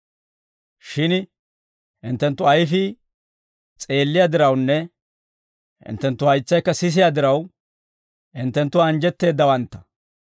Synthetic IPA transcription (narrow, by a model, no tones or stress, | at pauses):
ʃɪn | hɪnt̪ːɛnt̪ːʊɐjfɪ | t͡sʼe̞ːlːɪjad̪ɪɾɐwnːɛ | hɪ̰nt̪ːɛnt̪ːʊhɐjt͡sːɐjkːɐsɪs̬ɪjad̪ɪɾɐw | ɪnt̪ːɛnt̪ːʊːnd͡ʒɛt̪ːe̞ːd̪ːɐwɐnt̪ːɐ̥